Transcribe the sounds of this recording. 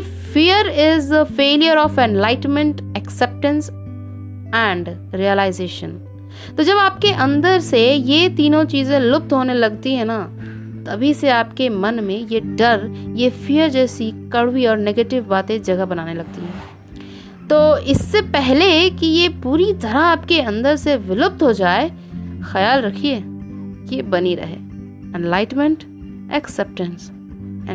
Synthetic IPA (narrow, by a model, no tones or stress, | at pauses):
fijəɾɪzd̪əfeːlijəɾɔːfɛ̃nlaːɪʈənmə̃ɳʈɛksɛp̚ʈə̃ns | ɛ̃ːɳɖ | ɾijəlaːɪzeːʃə̰̃n | t̪oːd͡ʒɐbaːp̚keʔɐ̃nd̪əɾsejet̪iːnõt͡ʃiːzẽlʊp̚t̪ɦoːnelɐɡt̪iɦɛ̃na | t̪ɐbʱiseaːpkemɐnmẽjeɖɐɾjefijəɾd͡ʒɛːsikɐɽwiɔːɾneːɡeːʈɪʋbaːt̪ẽd͡ʒɐɡəɦbɐnaːnelɐɡ̚t̪iɦɛ̃ː | t̪oːɪsːepɛɦlekijepuːɾit̪ɐɾaaːpkeɐ̃nd̪əɾseʋɪlʊp̚t̪ɦod͡ʒaːe | xɐjaːlɾɐkʰiekiebɐniɾɐ̰ɦḛː | ɛ̃nlaːɪʈmə̃ɳʈ | ɛ̰ksɛp̚ʈə̃ns